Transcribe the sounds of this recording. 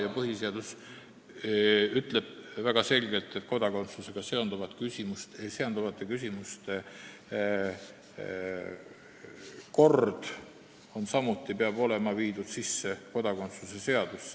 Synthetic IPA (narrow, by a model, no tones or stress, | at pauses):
jɑpɤɦise̞ɑd̪̥us | yt̪ˑle̞b̥væɡ̥ɑse̞lʲɡe̞lt̪ːˑet̪̚ko̞d̪̥ɑko̞nt̪sluse̞ɡ̥ɑse̞o̞nd̪uvɑt̪kysʲimust̪seɑnd̪̥uvɑt̪ːˑekysʲimust̪e | ko̞rd̪̥ | o̞nsɑmut̪ːˑipeɑb̥o̞le̞mɑviːd̪̥ud̪̥sisːe̞ko̞d̪̥ɑko̞nt̪suse̞se̞ɑd̪̥usːe